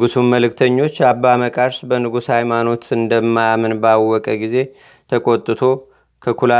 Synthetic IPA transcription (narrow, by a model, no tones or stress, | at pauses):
ɡusumməlɨkt̪ʰəɲːo̞t͡ʃːabːaməkʼaɾʃbənɨɡushajmano̞t̪ɨnd̪əmːajamɨnbawːɔkʼəɡize̞ | t̪ʰəkʼo̞t̪ʼːɨt̪ʰo̞ | kʰəkʰula